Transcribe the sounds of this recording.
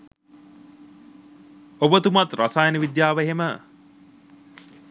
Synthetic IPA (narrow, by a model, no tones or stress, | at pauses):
obət̪umat̪rʔasajənəʋid̪jaːʋeɦemə